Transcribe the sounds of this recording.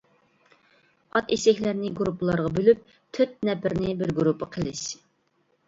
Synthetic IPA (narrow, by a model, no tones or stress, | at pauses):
ɑt̪esɪkʲlæɾnɪɡɾupʰːəlˠɑɾʁɑbølyp̚ | t̪ʰøt̪̚nɛpʰɪɾnɪbɪɾɡuɾupʰːəqʰəlˠɪʃ